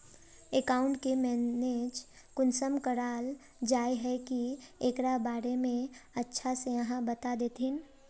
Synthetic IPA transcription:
ekaːʊ̃ɳʈkemɛːned͡ʒ | kʊnsəmkəɾaːl | d͡ʒaːeɦɛkieːkɾabaːɾemẽɐtːʃʰasejɐɦãbət̪ad̪eːt̪ʰin

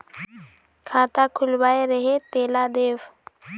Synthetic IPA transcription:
kʰaːt̪akʰʊlbaːeɾəɦet̪eːlad̪eːʋ

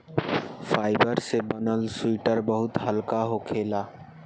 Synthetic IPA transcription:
fʰaːɪbəɾsebənəlsʊwiːʈəɾbəɦʊt̪həlkaɦokʰeːlaː

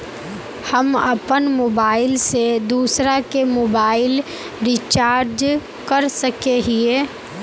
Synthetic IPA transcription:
hɐmɐpənmoːbaːɪlsed̪uːsɾakemoːbaːɪl | ɾit͡ʃaːɾd͡ʒ | kɐɾsɐkeɦieː

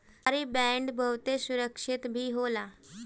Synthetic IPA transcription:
ɾiːbɛ̃ɳɖbʱəʋt̪esuɾəkʂit̪bʱiːɦola

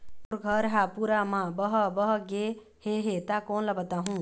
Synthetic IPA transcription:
pʊɾɡʱəɾɦapuɾamãbəɦbəɦɡe | heɦet̪akoːnlɐbət̪aːɦũː

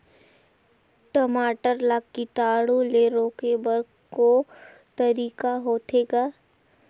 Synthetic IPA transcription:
ʈəmaːʈəɾlaːkːiʈaːɽuleɾoːkebəɾɡ | ko | t̪əɾiːkaɦoːt̪eːɡaː

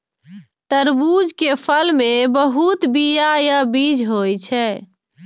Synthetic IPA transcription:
t̪əɾbud͡ʒkepʰəlmebəɦut̪bijajabid͡ʒɦojt͡ʃʰɛ

